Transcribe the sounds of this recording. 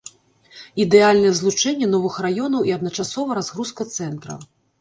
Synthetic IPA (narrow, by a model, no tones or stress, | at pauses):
id̪ɛalʲnɐjɛzlˠut͡ʂɛnʲːɛnɔvɨxrajɔnɐwʔiɐd̪nɐt͡ʂasɔvɐɾazɣɾuskɐt̪sɛnt̪ɾɐ̰